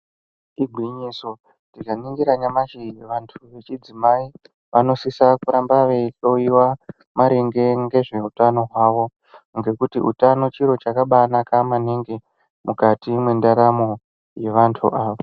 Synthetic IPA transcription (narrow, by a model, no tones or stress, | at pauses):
iɡʱwiɲiso̞ | tikaniŋɡiɾaɲamat͡ʃiʋantʰuʋe̞t͡ʃid͡zimai | ʋano̞sisakuɾambaʋeito̞iwa | maɾeŋɡe̞ŋɡe̞ʐe̞utano̞ɦwaːʋo̞ | ŋɡe̞kutiṵtano̞t͡ʃiɾo̞t͡ʃakaɓanakamaneŋɡe̞ | mukatimwe̞ndaɾamo̞ | je̞ʋantʰṵʔaːʋo